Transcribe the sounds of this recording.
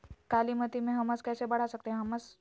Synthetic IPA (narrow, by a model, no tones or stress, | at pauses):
kalimət̪imeɦəməskajsebəɽ̤asək̚t̪eɦəmət͡s